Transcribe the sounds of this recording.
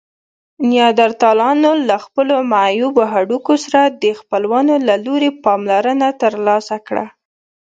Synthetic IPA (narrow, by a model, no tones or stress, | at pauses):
njɑd̪aɾt̪ɑlɑnolaxpəlomajuboɦaɽukosaɾad̪əxpəlwanolaloɾepɑmlaɾənat̪əɾlɑsakɽa̰